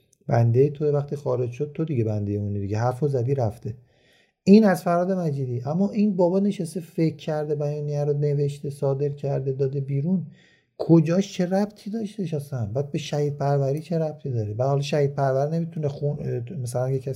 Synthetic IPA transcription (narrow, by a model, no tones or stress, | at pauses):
b̥ænd̪e̞jet̪ʰovæχt̪ʰiːxɒːɾe̞d͡ʒʃod̪̚t̪ʰo̞d̪iɟe̞bænd̪e̞jeunid̪iɡeɦæɾfozæd̪iːɾæft̪e̞ | ʔiːnæzfæɾɒːd̪e̞mæd͡ʒiːd̪iːʔæmːɒːʔinbɒːbɒːne̞ʃæst̪e̞fe̞kʰːæɾd̪e̞bæjɒːnijæɾone̞ve̞ʃt̪e̞sɒːd̪e̞ɾcʰæɾd̪ed̪ɒːd̪e̞biːɾun | kʰod͡ʒɒːʃt͡ʃʰe̞ɾæbt̪ʰiːd̪ɒʃt̪eʃæsænbæːd̪̚beʃæhiːd̪̚pʰæɾvæɾiːt͡ʃʰe̞ɾæb̚t̪ʰiːd̪ɒːɾebæd̪hɒlɒʃæhid̪̚pʰæɾvæɾine̞mit̪ʰunexunmæsælænjecʰæs